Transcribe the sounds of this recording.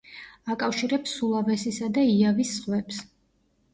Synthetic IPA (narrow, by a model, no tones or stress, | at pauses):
akʼafʃiɾɛpsulˠavɛsisad̪aiavisːχwɛps